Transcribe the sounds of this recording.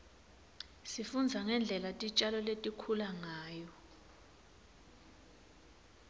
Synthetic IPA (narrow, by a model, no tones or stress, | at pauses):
sifund͡zʱaŋɛnd͡ɮʱɛlatʼit͡ʃʼalɔletʼikʰulaŋaːjɔ